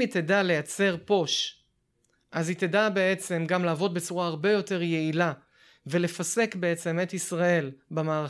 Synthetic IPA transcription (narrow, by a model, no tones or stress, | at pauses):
it̪edale̞jat͡se̞ʁpo̞ʃ | ʔazit̪edabe̞e̞t͡se̞mɡamlaːvo̞d̪̚be̞t͡suʁaaʁbe̞jo̞te̞ʁje̞ila | ve̞le̞fase̞kbe̞et͡se̞me̞t̪isʁae̞lbamaːʁa